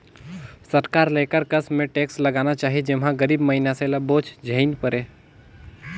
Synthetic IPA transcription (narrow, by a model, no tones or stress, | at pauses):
səɾkaɾlekəɾkəsmẽʈeksləɡanat͡ʃaːɦid͡ʒɪmɦãɡəɾiːbməɦinaseləboːt͡ʃd͡ʒʱəɪnpəɾe